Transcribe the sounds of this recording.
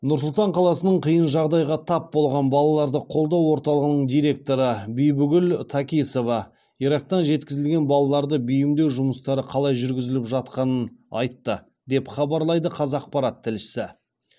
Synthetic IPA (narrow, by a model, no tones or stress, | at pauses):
nʊɾs̬ʊlˠt̪ɑɴqʰɑlˠɑsənəɴqʰəjənʒɑʁd̪ɑjʁɑt̪ʰɑpbo̞lˠʁɑnbɑlˠɑlˠɑɾd̪əqʰo̞lˠd̪ɑwo̞ɾt̪ɑlˠəʁənəɴd̪ijɾe̞k̚t̪o̞ɾəbijbʏɡʲʏlt̪ʰɑkʲijso̞vɑ | iɾɑk̚t̪ɑnʒe̞t̪̚kʲɪzɪlɡʲe̞nbɑlˠɑlˠɑɾd̪əbijɪmd̪e̞wʒʊməst̪ɑɾəqʰɑlˠɑjʒʏɾɡʲɪzɪlɪpʒɑt̪qɑnənɑ̰jt̪ːə | d̪e̞pχɑbɑɾlˠɑjd̪əqʰɑzɑq̚pɑɾɑt̪ʰːɪlʃɪ̥sɪ